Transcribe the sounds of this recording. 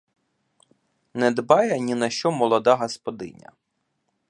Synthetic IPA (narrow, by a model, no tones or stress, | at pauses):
nɛd̪bɑjɛnʲinɐʃt͡ʃɔmɔlˠɔd̪ɑɦɔspɔd̪ɪ̰nʲɐ̰